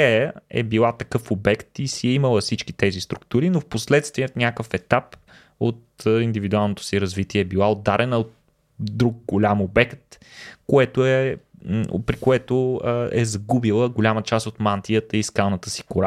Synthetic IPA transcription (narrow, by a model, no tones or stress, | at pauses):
ɛjəɛ̰bilˠat̪ɐkɤfobɛkt̪isiɛiməlˠəfsit͡ʃki̥t̪ɛzist̪ɾukt̪uɾinofposlɛt̪st̪vijət̪nʲakəfɛt̪ap | ot̪əind̪ivid̪ualˠnot̪o̥siɾɐzvit̪iɛːbilˠaod̪ːaɾɛnəot̪ | d̪ɾuɡ̚ɡolʲamobɛkt̪̚koɛt̪oɛ̰ | pɾikoɛt̪oəɛzɐɡubilˠəɡolʲamət͡ʃast̪ot̪mant̪ijət̪əiskalˠnət̪əsi̥koɾa